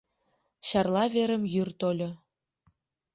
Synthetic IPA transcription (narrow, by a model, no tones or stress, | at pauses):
ɕɑrlˠɑβeɾə̆mjyrt̪olʲŏ